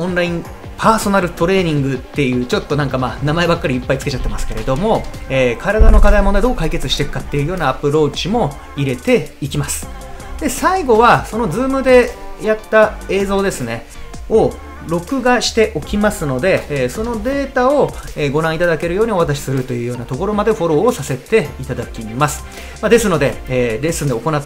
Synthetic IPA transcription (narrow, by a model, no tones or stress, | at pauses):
õ̞nɾaĩm | pʰaːso̞naɾɯ̟t̪o̞ɾe̞ːɲ̟ĩŋɡɯ̟t̪ːe̞jɯ̟ːt͡ɕo̞t̪ːo̞nãŋkamaːnamae̞bakːaɾʲiːpːait͡sɨ̥ke̞t͡ɕat̪ːe̞masɨ̥ke̞ɾe̞d̪o̞mo̞eːkaɾad̪ano̞kad̪aimond̪aid̪o̞ːkaike̞t͡sɨɕi̥t̪e̞kɯ̥kat̪ːe̞jɯ̟jo̞ːnaːpɯ̟ɾo̞ːt͡ɕimo̞ | iɾe̞t̪e̞ikʲimasɨ̥ | d̪̥e̞saiɡo̞βaso̞no̞d͡zzɨːmɯ̟d̪e̞jat̪ːae̞ːzo̞ːd̪e̞sɨne̞o̞ | ɾo̞kɯ̟ɡaɕi̥t̪e̞ʔo̞kʲimasɨno̞d̪e̞ːso̞no̞d̪e̞ːt̪ao̞eɡo̞ɾãit̪ad̪ake̞ɾɯ̟jo̞ːɲ̟io̞at̪aɕ̬i̥sɨɾɯ̟t̪o̞jɯ̟ːjo̞ːnat̪o̞ko̞ɾo̞mad̪e̞ɸo̞ɾo̞ːsase̞t̪e̞it̪ad̪akʲimasɨ̥ | mad̪e̞sɨno̞d̪e̞ːɾe̞sɨnd̪eoko̞na